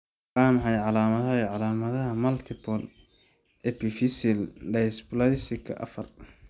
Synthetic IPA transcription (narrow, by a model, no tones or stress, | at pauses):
aːmħɑjʕɑlaːmɐðɐɦiʕɑlaːmɐðɐɦɐmɐlt̪ʰɪpʰɔl | ʔɛpʰifisɪlɖɛjsplɐɪsɪkʰɐ̰ʔɐ̰fɐr